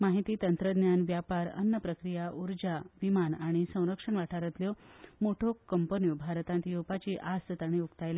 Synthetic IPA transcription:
maɦit̪iːt̪ənt̪ɾəd̪njanʋjapaɾə̰nːəpɾəkɾijaʔuɾd͡ʑaʋimanaɽ̃isə̃w̃ɾəkʂəɳʋaʈʰaɾət̪ljɔmoʈʰokəmpənijubʱaɾt̪ãnt̪ijupat͡ɕiːʔast̪ət̪aɽ̃iukt̪ajla

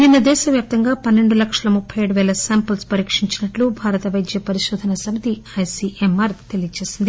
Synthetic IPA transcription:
ind̪ɐd̪ɛːʃɐʋjaːp̚t̪ɐŋɡaːpɐnːe̞ɳɖulɐkʂɐlɐmupʰːɐjeːɽuʋɛːlɐsaːmpɐlspɐɾiːkʂiɲt͡ʃinɐʈlubʱaːɾɐt̪ɐʋɐjd̪jɐpɐɾiʃɔːd̪ʱɐnɐsɐmɐt̪iɐjsiʔemaːɾt̪e̞lijɐt͡ʃe̞ːsind̪i

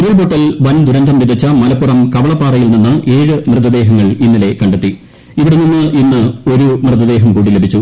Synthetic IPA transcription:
ɾɐɭboʈːɐlʋɐnd̪uɾɐnd̪ʱɐmʋid̪ʱɐt͡ɕːɐmɐlɐpːurɐmkɐʋɐɭɐpːaːrɐjilninːɨʔe̞ːɻɨmrɨd̪ɐd̪e̞ːɦɐŋːɐɭinːile̞kɐɳɖet̪ːi | iʋiɽeninːɨʔinːɨo̞ɾumrɨðɐd̪e̞ːɦɐmkuːɽile̞bʱit͡ɕːu

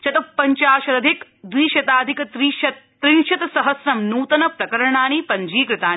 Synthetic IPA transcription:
t͡ʃɐt̪ɐpːɐɲt͡ʃaːʃɐd̪ɐd̪ʱik | d̪ʋiːʃɐt̪aːd̪ʱikɐt̪ɾiːʃɐt̪ | t̪ɾiŋʃɐt̪ɐsɐɦɐsɾɐmnuːt̪ɐnɐpɾɐkɐɾɐɳaːnipɐɲd͡ʒiːkɾɪt̪aː

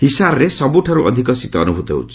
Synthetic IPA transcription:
hisaɾɾesɔbuʈʰaɾuʔɔ̰d̪ʱikɔsit̪ɔɔnubʱut̪ḛṵt͡ʃʰi̥

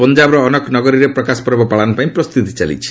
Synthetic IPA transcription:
pɔnd͡ʒabɾɔːnɔknɔɡɔɾiɾepɾɔkaskɔɾbɔpaɭanupãĩpɾɔst̪ut̪i̥t͡ʃalḭt͡ʃʰi̥

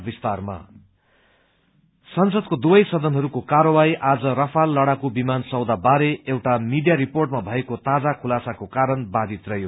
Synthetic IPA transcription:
bist̪arma̰ | sʌnsʌd̪kod̪ubʌjsʌd̪ʌnɦʌɾukokaɾʌwajʔad͡zʌrʌpʰalːʌɽakobimansʌwd̪abaɾeewʈamiɖijaɾiporʈmabʱʌekot̪ad͡zakʰulasakokaɾʌnbad̪ʱit̪rʌɦjo

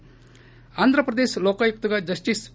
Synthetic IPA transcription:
and̪ʱɾəpɾəd̪eslokajk̚t̪uɡad͡ʒɐsʈis

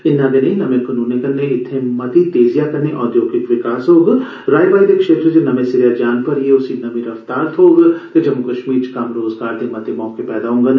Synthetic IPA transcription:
ɪnːãɡenɐĩnɐmẽkɐnuːnekɐɾneɪt̪ʰːẽmɐt̪it̪eːzijakɐɾneʔɔːd̪joːɡɪkʋɪkaːsɦoːɡ | ɾaːjbaːid̪ekʃeːt̪ɾəd͡ʒenɐmẽsɪɾjad͡ʒaːnpɐɾjeʊsinːɐmĩɾɐft̪aːɾt̪ʰoːɡt̪ed͡ʒɐmːukɐʃmiːɾt͡ʃkaːmɾoːzɡaːɾt̪ʰemɐt̪emɔ̃ːkepɛːd̪aɦõːŋɡan

